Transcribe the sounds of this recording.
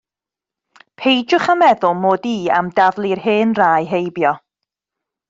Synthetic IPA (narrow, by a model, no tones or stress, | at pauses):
pʰejd͡ʒʊχamɛðʊlˠmoːdiːa̰mdavlˠirɦɨːnraːjɦejbjɔ